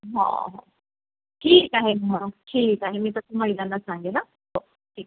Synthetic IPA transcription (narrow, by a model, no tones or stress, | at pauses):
ɦã̰ɦã̰ | ʈʰiːkaɦemʱəɽ̃ũʈʰiːkaɦemiːt̪ətuməɦilanːasãŋɡena | t̪o | ʈʰiːk̚